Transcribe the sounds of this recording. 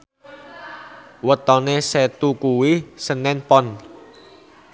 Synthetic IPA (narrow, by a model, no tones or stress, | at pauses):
wət̪ɔneset̪ukuwisənɛnpɔn